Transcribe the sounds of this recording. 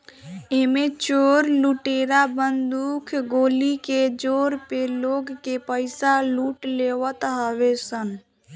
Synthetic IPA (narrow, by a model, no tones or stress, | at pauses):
eːmet͡ʃoːɾluʈeːɾabənd̪ukʰɡoːliked͡ʒoːɾpeloːɡkepəɪsaluːʈleːwət̪ɦəʋesən